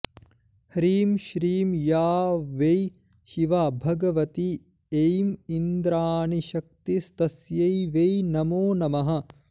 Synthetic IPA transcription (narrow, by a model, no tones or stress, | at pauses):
hɾiːmʃɾiːmjaːʋej | ʃiʋaːbʱɐɡɐʋɐt̪i | ejmind̪ɾaːniʃɐk̚t̪ist̪ɐsjɐjʋejnɐmoːnɐmɐɦɐ̆